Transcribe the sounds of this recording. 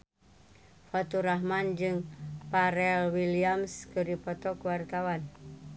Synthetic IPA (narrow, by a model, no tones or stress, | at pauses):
fat̪uɾaɦmand͡ʒɨŋpaɾɛlwiliamskɨrdipɔt̪ɔkwart̪awan